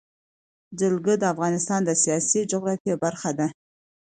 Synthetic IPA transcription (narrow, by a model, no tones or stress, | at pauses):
d͡ʒəlɡəd̪əafɣɑnɪst̪ɑnd̪əsijɑsid͡ʒʊɣɾɑfiebaɾxad̪a